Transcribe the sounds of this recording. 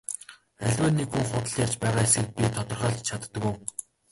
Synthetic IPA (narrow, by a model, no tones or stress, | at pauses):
æɮʲwæːnːekxuŋχʊt̪ə̆ɮjar̥t͡ɕpæːʁaːesɡɘ̆k̚pʲit̪ʰɔt̪ɞ̆rχaːɮt͡ɕʰat̪ːə̆ku